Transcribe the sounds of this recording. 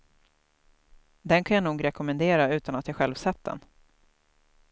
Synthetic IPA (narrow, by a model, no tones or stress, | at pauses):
d̪ɛnkʰanjanuːɡɾɛkɔmɛnd̪eːɾaʉ̟ːt̪anat̪jaːɧɛlvsɛt̪̚d̪ɛ̰n